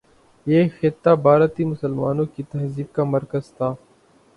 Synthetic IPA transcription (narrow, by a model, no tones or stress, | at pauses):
jeːxɪt̪ːaːbaːɾət̪iːmʊsəlmaːnõːkiːt̪ɐɦziːb̚kaːməɾkəz̥t̪ʰaː